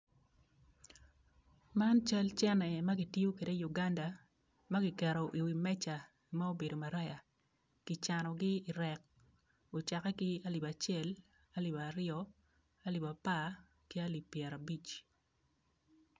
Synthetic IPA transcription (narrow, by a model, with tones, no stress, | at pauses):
ma˦nt͡ʃa˦lt͡ʃɛ˦nɛ˨ma˦ɡɪ˨ti˦o˦ke˨de˦ju˨ɡa˦nda˨ | ma˦ɡɪ˨kɛ˨ɾo˨ʔi˨wi˨mɛ˦t͡ʃa˨ | ma˦o˦be˨do˨ma˨ɾa˦ja˨ | kɪ˨t͡ʃa˨nɔ˨ɡɪ˦ɪ˨ɾɛ˨k̚ | o˨t͡ʃa˨kɛ˦kɪ˦a˦li˨ba˨t͡ʃjɛ˦l | a˦li˨baɾɪɔ | a˦li˨ba˨pa˦ | ki˦a˦li˨pːjɛ˨ɾa˨bi˦t͡ʃ